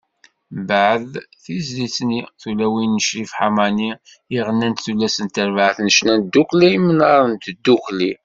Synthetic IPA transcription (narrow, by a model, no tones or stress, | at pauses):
bəʕəðθizlit͡sniθulæwinːəʃɾifħamani | iʁənːænt̪θulːæsənt̪əɾvʕəθnəʃnænd̪ːuklimənɑɾˤənt̪d̪ːukli